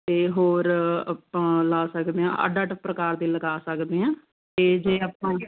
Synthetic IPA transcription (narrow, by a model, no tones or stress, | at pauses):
t̪eːɦoːɾpãːlaːsəkd̪eːã̰ːʔa̰ɖaːʈəpːɾəkaːɾd̪iːləɡaːsəkd̪eːãː | t̪eːd͡ʒeːaːpãː